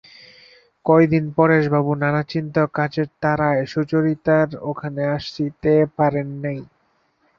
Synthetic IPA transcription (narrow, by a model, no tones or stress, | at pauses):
kɔjd̪inpɔɾeʃbabunanat͡ɕint̪okat͡ɕeɾt̪aɾaeʃot͡ɕoɾit̪aɾokʰaneaʃit̪epaɾenːaj